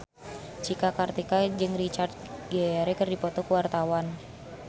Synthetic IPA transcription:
t͡ʃikakart̪ikad͡ʒɨŋrit͡ʃard̪̚ɡɛɾɛkərdipɔt̪ɔkəwart̪awan

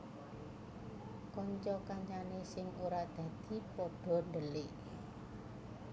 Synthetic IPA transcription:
kɔɲt͡ʃɔkaɲt͡ʃanesɪŋuɾaʔd̪̥ä̤d̪̥i̤pɔɖ̥ɔ̤nɖəlɪʔ

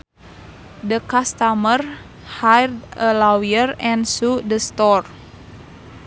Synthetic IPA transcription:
dəkast̪amər | hajrd̪əlawiərɛnsudəst̪ɔr

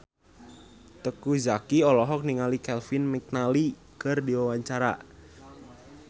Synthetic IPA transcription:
t̪əkuzakiɔlɔɦɔk̚niŋalikɛlfinmik̚nali | kərdiwawaɲt͡ʃaɾa̰

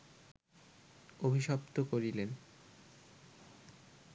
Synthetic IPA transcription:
obʱiʃɔpt̪okoɾilen

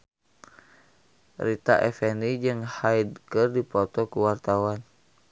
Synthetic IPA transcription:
rit̪a̰ʔɛ̰fɛnid͡ʒɨŋhaid̚kɨrdipɔt̪ɔkuwart̪awan

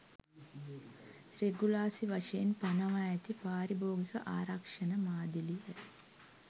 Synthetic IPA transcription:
reɡulaːsiʋaʂɐjenpɐnɐʋajat̪ipaːɾiboːɡikəʔaːɾɐkʂɐnəmaːd̪ilijə

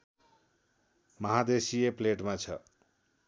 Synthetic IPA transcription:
mʌɦad̪esiepleʈmat͡sʰʌ

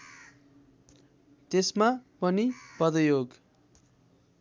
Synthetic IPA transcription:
t̪esmapʌnipʌd̪ʌjoɡ

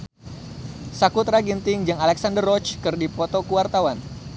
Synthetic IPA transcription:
sakut̪ɾaɡint̪ɪŋd͡ʒaŋalɛksandərːɔt͡ʃkɨrdipɔt̪okuwart̪awan

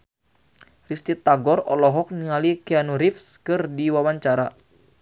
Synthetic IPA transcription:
rist̪it̪aɡɔrɔlɔɦɔk̚niŋalikianuɾifskɨrdiwawaɲt͡ʃaɾa

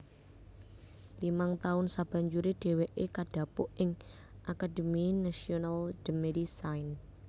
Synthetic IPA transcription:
limaŋt̪aʊnsab̥a̤ɲd͡ʒuɾed̥e̤weʔekaɖ̥a̤pʊʔɪŋ | ʔakad̪̥ə̤minasionald̥əmedisajn

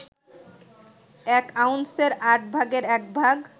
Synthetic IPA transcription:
ɛkawnseɾaʈbʱaɡeɾɛkbʱaɡ

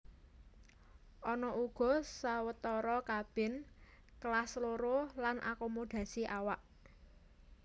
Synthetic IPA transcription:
ʔɔnɔʔuɡ̥ɔ̤sawət̪ɔɾɔkab̥ɪ̤n | kəlasloɾolanʔa̰komod̪̥ä̤siʔawaʔ

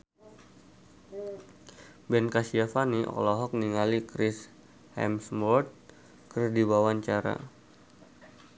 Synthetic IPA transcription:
bɛnkasiafaniʔɔ̰lɔɦɔk̚niŋalikɾɪs | hɛ̰msmɔrt̪̚ | kərdiwawaɲt͡ʃaɾa̰

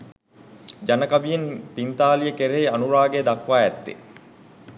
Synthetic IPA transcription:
d͡ʒanəkabijenpint̪aːlijəkeɾejanuɾaːɡed̪akʋaːɛt̪ːḛ

